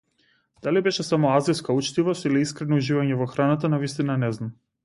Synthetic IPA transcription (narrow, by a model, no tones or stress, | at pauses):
d̪̥alibɛʃɛsamɔaziskaut͡ʃt̪ivɔst̪iliiskɾɛnɔuʒivaɲɛvɔxɾanat̪anavist̪inanɛznam